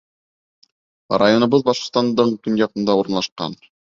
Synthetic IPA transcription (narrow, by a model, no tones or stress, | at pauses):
rajo̞nɤ̆βɤðbɑʃqŏ̥st̪ɑnd̪ɤɴkɵnjɑqɤ̆nd̪ɑuɾɤ̆nlˠɑʃqɑ̰n